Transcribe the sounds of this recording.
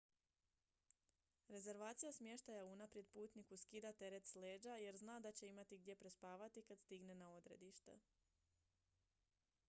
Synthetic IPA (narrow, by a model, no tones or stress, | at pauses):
ɾe̞ze̞ɾʋaːt̪sijasmje̞ʃt̪ajauunapɾje̞d̪̚puːt̪nikuskid̪at̪e̞ɾe̞t̪sle̞ːd͡ʑaje̞ɾznaːd̪at͡ɕe̞imat̪iɡ̚d̪je̞pɾe̞spaːʋat̪ikad̪st̪iɡne̞nao̞d̪ɾe̞̰d̪iʃt̪e̞̰